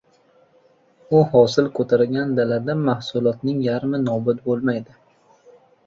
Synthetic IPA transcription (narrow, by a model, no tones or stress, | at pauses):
ʊɦɒsɪlkʰot̪ʰaɾɡʲand̪alad̪amahsʊlˠɒt̪nɪŋjaɾmɪnɒbʊt̪bolˠmajd̪ɪ